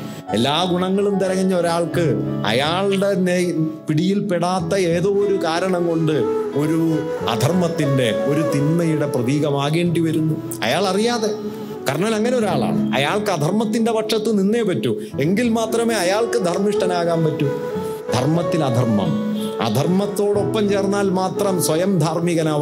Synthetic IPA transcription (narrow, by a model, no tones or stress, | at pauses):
e̞lːaːɡuɳɐŋːɐɭumt̪ɐɾɐŋɐɲːɐo̞ɾaːɭkɨɐ̰jaːɭɽe̞npiɽijilpeɽaːt̪ːɐeːðo̞ːoɾukaːɾɐɳɐŋko̞ɳɖɨo̞ɾuɐ̰d̪ʱɐrmɐt̪ːinde̞o̞ɾut̪inːɐjuɽe̞prɐðiːɣɐmaːɣeːɳɖiʋɐɾunːu | ɐ̰jaːɭɐrijaːðe | kɐɾɐɳɐːlɐŋːɐneo̞ɾaːɭa̰ːɳɨ̰ɐ̰jaːɭkɨɐd̪ʱɐrmɐt̪ːinde̞ʋɐʈʂɐt̪ːɨninːe̞ːpɐtːu | e̞ŋɡilmaːt̪rɐme̞ːɐjaːɭkɨd̪ʱɐrmiʂʈɐnaːɣaːmpɐtːu | d̪ʱɐ̰rmɐt̪ːilɐd̪ʱɐrmɐ̰m | ɐ̰d̪ʱɐrmɐt̪ːo̞ːɽo̞pːɐmt͡ɕe̞ːrnːaːlmaːt̪rɐmswɐjɐmd̪ʱaːrmiɣɐnaːʋ